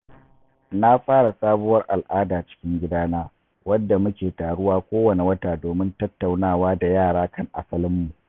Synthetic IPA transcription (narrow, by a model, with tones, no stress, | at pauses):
na˦ɸaː˦ɽa˨saː˦bʊ˦wɐ˦rʔa˨lʔaː˦daː˨t͡ʃɪ̥˦kʲɪ˦ŋɡʲɪ˦daː˦naː˦ | wɐ˦dːa˨mʊ˦kʲeː˨taː˨ɽʊ˦waː˦kʷoː˦wɐ˨ne˨wɐ˦taː˨doː˨mɪ˦ntɐ˦tːa˨wnaː˦˨waː˦da˨jaː˦˨ɽaː˦kɐ˦˨ŋʔa̰˨sɐ˦lɪ˦mːu˨ʔ